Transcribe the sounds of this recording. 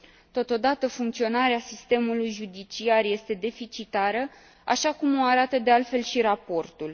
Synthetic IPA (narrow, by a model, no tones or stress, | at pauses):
t̪o̞t̪o̞d̪at̪əfuŋkt̪sio̞naɾeasist̪e̞mulujʒud̪it͡ʃiarje̞st̪e̞d̪e̞fit͡ʃit̪aɾə | a̰ʃakumo̞aɾat̪əd̪ealt̪fe̞lʃiɾapo̞rt̪ul